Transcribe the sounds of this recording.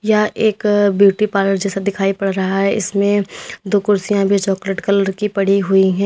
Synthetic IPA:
jaʔeːkbjuːʈipaːɾəɾd͡ʒɛːsad̪ɪkʰaːipɐɽɾɐɦaɦɛʔɪ̰smẽd̪oːkʊɾsijãbʱit͡ʃɔːkleːʈkɐləɾkipɐɽiɦʊiɦɛ̃ː

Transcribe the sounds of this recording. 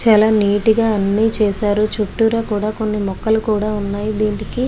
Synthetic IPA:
t͡ʃaːlaːniːʈiɡaːɐnːit͡ʃɛːsaːɾut͡ʃuʈːuɾaːkuːɽaːko̞nːimɔkːɐlukuːɽaːunːaːjid̪iːniki

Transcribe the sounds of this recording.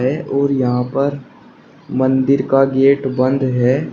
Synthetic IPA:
ɦɛʔɔːɾjɐɦãpɐɾ | mɐ̃nd̪ɪɾkaɡeːʈbə̃nd̪ɦɛː

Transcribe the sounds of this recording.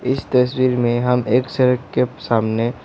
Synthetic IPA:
ɪst̪ɐswiːɾmẽɦɐmʔeːksɐɾəkkesaːmne

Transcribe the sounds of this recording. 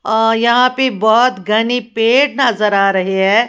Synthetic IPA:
jɐɦãpebɔɦɔt̪ɡʱɐnipeːʈ̚nɐzəɾaːɾɐɦiɦɛː

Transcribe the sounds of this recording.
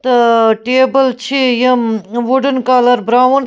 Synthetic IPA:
t̪ɐʈeːbəlt͡ʃʰijemʋuɖənkaːlɐɾbɾaːwn

